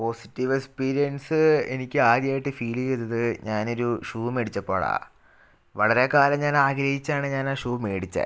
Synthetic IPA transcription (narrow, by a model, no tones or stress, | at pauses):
po̞si̥tːiʋekspiːɾijɐnsɨenikʲːɨaːɾjaːjiʈːɨfiːliet̪ːɐðɨɲaːno̞ɾuʂuːmeɽit͡ɕːɐpːo̞ːɭa̰ː | ʋɐɭɐɾe̞kaːlɐmɲaːnaːɡɾɐɦit͡ɕːaːɳɨɲaːnaːʂuːme̞ːɽit͡ɕːɐ̰